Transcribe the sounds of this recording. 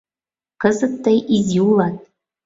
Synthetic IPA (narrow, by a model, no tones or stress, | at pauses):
kɤzə̆t̪ːəjʔizʲiulˠɑt̪̚